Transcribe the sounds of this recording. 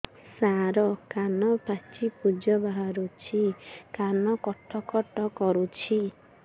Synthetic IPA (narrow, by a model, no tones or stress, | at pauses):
saɾɔkanɔpat͡ʃipud͡ʒɔbaɦaɾut͡ʃʰikanɔkɔʈʰɔkɔʈɔkɔɾut͡ʃʰi